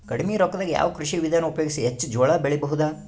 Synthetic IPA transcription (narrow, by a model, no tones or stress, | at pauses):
kɐɽimeɾɔkːɐd̪aːɡija̰ːʋɐkɾuʃiʋid̪ʱaːnɐupɐjoɡisiɦet͡ʃːd͡ʒɔːɭaːbeɭɛbɐɦud̪a